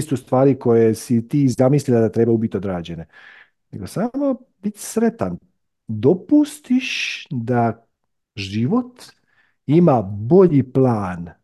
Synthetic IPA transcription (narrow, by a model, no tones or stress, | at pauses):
st̪ust̪ʋaːɾiko̞jesit̪iːzamisliled̪at̪ɾebaubit̪o̞d̪ɾaːd͡ʑe̞ne | ne̞̰ɡo̞samo | bit̪sɾe̞t̪an | d̪opust̪iʃd̪a | ʒiʋo̞t̪ | imabo̞ʎiplaːn